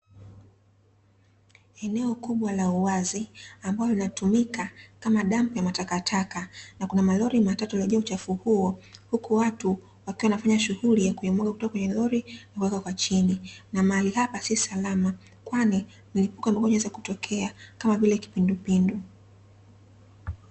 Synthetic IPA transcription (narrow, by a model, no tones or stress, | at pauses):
ɛnɛɔkuɓwalauwaziambaɔlinatumikakamaɗampujamatakatʰakanakunamalɔɾimatatulɛʄɛaut͡ʃafuhuɔhukuwatu | wakiwawanafaɲaʃuhulijakujɔmɔɠaku̥tɔkakwɛɲɛlɔɾinakuwɛkakwat͡ʃininamaalihapasisalama | kwani | m̩lipukamakɔɲɛzakutɔkʰɛakamavilɛki̥pindupindu